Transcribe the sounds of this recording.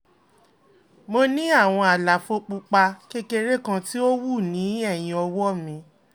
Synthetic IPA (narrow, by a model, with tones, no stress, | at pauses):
mo˧nĩ˦a˦˨w̃ɔ̃˧a˨la˨fo˧k͡pu˧k͡pa˧ke˦ke˧ɾe˦kã˧ti˦o˦wu˦˨nĩ˨˦ɛ˦˨j̃ĩ˧ɔ˧wɔ˦mĩ˧